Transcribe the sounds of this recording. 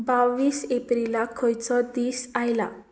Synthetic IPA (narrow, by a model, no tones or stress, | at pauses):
baʋiːsepɾilakʰɔjt͡sɔd̪iːsajla̰